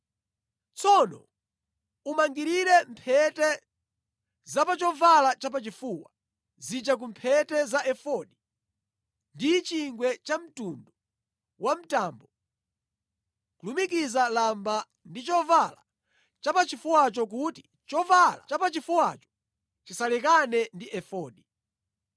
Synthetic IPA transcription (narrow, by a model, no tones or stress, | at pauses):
t͡sʰɔnɔ̰ | umaŋɡiɾiɾɛmpʰɛtɛ | zapat͡ʃɔvalat͡ʃap̬at͡ʃifuːwa | zid͡ʒak̬umpʰɛtɛzaʔɛfɔɗi | ndit͡ʃiŋɡwɛt͡ʃam̩tundɔ | wam̩taːmbɔ | kulumik̬izalamba | ndit͡ʃɔvala̰ | t͡ʃapat͡ʃifuwat͡ʃɔk̬uti | t͡ʃɔvalat͡ʃapat͡ʃifuwat͡ʃɔ̥ | t͡ʃisalɛkanɛndiʔɛfɔːɗi